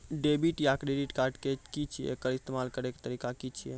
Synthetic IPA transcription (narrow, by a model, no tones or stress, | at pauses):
ɖebiʈjakɾeɖiʈkaɾʈkekit͡ʃʰijḛkəɾist̪emalkəɾeke̥t̪əɾikakit͡ʃʰijḛ